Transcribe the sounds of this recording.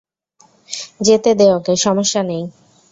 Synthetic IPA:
d͡ʑet̪ed̪eokeʃɔmoʃːanej

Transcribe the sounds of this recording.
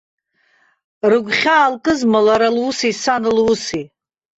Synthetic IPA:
rɨɡʷχʲaːlkʼɨzmalaɾalwusisanɨlwʊsi

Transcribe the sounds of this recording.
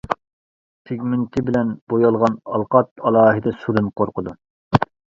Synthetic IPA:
pʰeɡʲmɪnt̪ʰɪbɪlɛnbojɑlˠʁɑnɑlˠqɑt̪̚ɑlˠɑːɦɨd̪ɛsuɾɨnqʰoɾqʰʊd̪u

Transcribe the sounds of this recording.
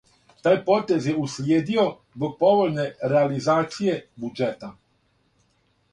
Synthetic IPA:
t̪aːjpoːt̪ezjɛuslʲjeːd̪iozbok̚poʋolʲneɾealizaːt̪sijebud͡ʒet̪a

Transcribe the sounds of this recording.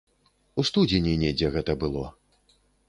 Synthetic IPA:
ust̪ud͡zʲinʲinʲɛd͡zʲɛɣɛt̪ɐbɨlˠɔ

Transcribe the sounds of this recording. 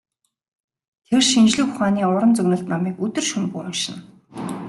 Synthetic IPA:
t̪ʰerʃint͡ɕɮɘ̆xxʊχaːniːʊɾə̆nt͡sɵɣnə̆ɬt̪namiːkɵt̪ɵ̆rʃumpuːʊʃɪ̆n

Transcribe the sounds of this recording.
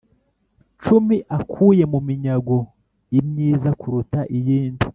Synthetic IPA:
t͡ʃumiʔakʰuːje̞mumiɲaɡo | imɲiːzakʰuɾutaʔijiːndi

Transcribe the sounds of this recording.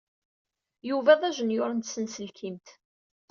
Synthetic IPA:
juvæðˤæʒənjʊɾˤənt̪sənsəlkʰimt̪

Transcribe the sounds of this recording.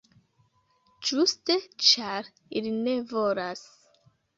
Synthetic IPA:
d͡ʒuste̞t͡ʃaɾ | iline̞vo̞las

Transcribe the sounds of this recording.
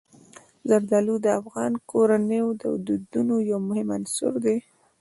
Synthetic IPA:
zaɾd̪ɑlud̪əafɣɑnkʰoɾanəjod̪əd̪ud̪unojawmʊhɪma̰nsʊ̰ɾd̪e

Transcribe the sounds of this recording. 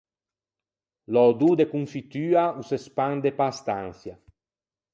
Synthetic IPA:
lɔd̪ud̪ekuɱfit̪yːausespand̪epast̪anθja

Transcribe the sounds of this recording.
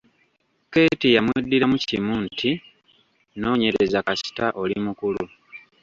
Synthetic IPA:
ke̞ːtijamwedːiɾamucimuntʰi | no̞ːɲe̞ɾezakasi̥taʔo̞limukulu

